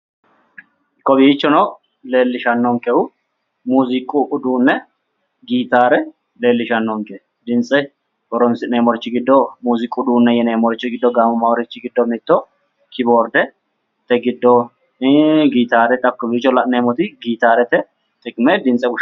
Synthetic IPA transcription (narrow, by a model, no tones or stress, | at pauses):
kːɔbiːt͡ʃːɔnɔ | le̞ːlːɪʃɐnːɔŋkɛʊ | muːzɪkʼʊʔʊd̪uːnːɛ | ɡiːt̪aːɾɛ | le̞ːlːɪʃɐnːɔŋkɛ | d̪ɪnt͡sʼːɛ | kɔɾɔnsɪneːmɔɾɪt͡ʃːɪɡɪd̪ːɔmuːzɪkʼːʊd̪uːnːɛjɛneːmɔɾɪt͡ʃːɪɡɪd̪ːɔɡaːmɔmɐwɔɾɪt͡ʃːɪɡɪd̪ːɔmɪt̪ːɔ | kʰɪboːɾd̪ɛ | t̪ɛɡɪd̪ːɔ | ɡiːt̪aːɾɛt̪ʼɐkːɔbiːt͡ʃːɔlɐʔneːmɔt̪ɪɡiːt̪aːɾɛt̪ɛ | t̪ʼɪkʼmɛd̪ɪnt͡sʼːɛbʊ